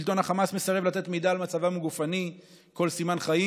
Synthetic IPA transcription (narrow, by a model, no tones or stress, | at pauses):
ilt̪o̞naχamasme̞saʁevlat̪e̞t̪medaːlmat͡savamɡufani | ko̞lsimanχai